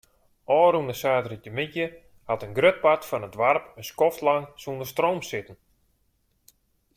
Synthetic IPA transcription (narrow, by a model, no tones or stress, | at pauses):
ʔɔːɾundəsaːtəritəmitjə | hatənɡrøt̚patfɔnətʋarpənskɔftlaŋsundərstroːmsɪtən̩